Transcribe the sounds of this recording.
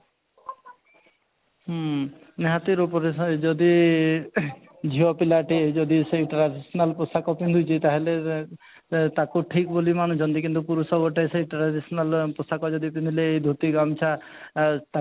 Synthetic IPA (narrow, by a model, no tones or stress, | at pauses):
neɦat̪iɾupɔɾed͡ʒɔd̪i | d͡ʒʱiɔpilaʈid͡ʒɔd̪iseʈɾaɖisɔnalposakɔpind̪ʱud͡ʒit̪aɦele | t̪akoʈʰikbolimanud͡ʒɔnd̪ikint̪upuɾusɔbɔʈajseiʈɾaɖisɔnalposakɔd͡ʒɔd̪ipind̪ʱuleːjd̪ʱut̪iɡamt͡ʃʰa | t̪a